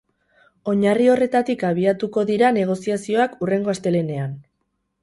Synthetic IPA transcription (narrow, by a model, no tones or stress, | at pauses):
o̞ɲario̞re̞t̪at̪ikaβ̞iat̪uko̞ðiɾane̞ɣ̞o̞siasio̞akure̞ŋɡo̞ast̪e̞lene̞an